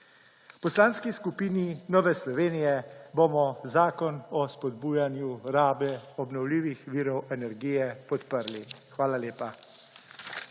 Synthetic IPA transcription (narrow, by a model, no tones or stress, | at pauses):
wpɔslaːnskiskupiːninɔːʋɛslɔʋeːnijɛbomɔzaːkɔnɔspɔd̪buːjanjuɾaːbɛɔbnɔwliːʋixʋiːɾɔwɛnɛɾɡiːjɛpɔt̪pəɾli | xʋaːlaleːpa